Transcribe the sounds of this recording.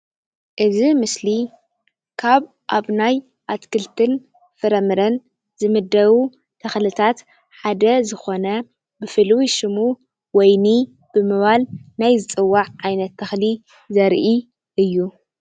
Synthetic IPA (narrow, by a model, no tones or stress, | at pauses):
ʔɨzimɨsli | kʰaβ | ʔaβnaj | ʔat̪kɨlt̪ʰɨn | fɨɾɐmɨɾɐn | zɨmɨd̪ːɐwu | t̪ʰɐxlɨt̪ʰat̪ | ħad̪ɐzɨxo̞nɐ | bɨfɨlwiʃɨmu | wɔjni | b̥ɨmɨβalnajzɨt͡sʼɨwːaʕʕajnɐt̪ʰːɐxli | zɐɾʔi | ʔɨjːu